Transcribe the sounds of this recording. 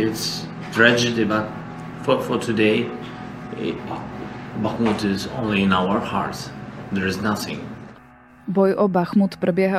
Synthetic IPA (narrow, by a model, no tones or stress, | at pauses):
ɪts | t̪ɾɛd͡ʒɪdibat̚ | fɔfɔtʰudeɪ | baxmutɪzõ̰nliɪ̃naʊə˞ha̰ɹtsðɛɹɨznaθɪ̰̃ŋ | bɔjʔɔbaxmut̪pɾɛbjɛɦa